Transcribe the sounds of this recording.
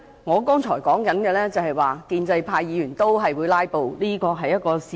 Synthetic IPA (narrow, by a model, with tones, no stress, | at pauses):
ŋɔː˨˧kɔː˥ŋt͡ʃʰɔː˨˩jkɔː˨˥ŋkɐ˨˥nɡɛː˧lɛː˥t͡sɐ˨whɐ˨jwaː˨kiː˧nt͡sɐ˧jpʰaː˧jːiː˨˧jyː˨˩nt̪o˥wɦɐ˨jwuː˨˧jlaː˥jpo˨wliː˥kɔː˧ɦɐ˨jːɐ˥t̚kɔː˧si˨